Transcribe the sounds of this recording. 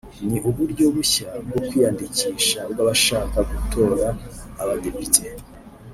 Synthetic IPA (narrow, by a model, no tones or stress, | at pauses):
niʔuβuɾɟo̞βuçabɡo̞kwijandiciːʃab̚ɡaβaʃaːkaɡutʰo̞ːɾaːβade̞pitʰe